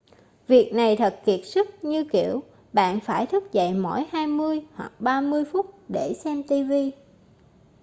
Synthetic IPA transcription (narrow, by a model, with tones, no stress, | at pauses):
vi˨˩ək̚na˨˩jt̪ʰə˨˩t̚ki˨˩ət̚sɨ˦˥t̚ɲɨ˧ki˧˩əw | ɓa̰ː˧˨nfaː˧˩jt̪ʰɨ˦˥k̚zə̰˧˨jmo̰˧˩jhaː˧jmɨ˧əjhwa̰˨˩k̚ɓaː˧mɨ˧əjfʊ˦˥t̚ɗe˧˩sɛ˧mt̪i˧vi˧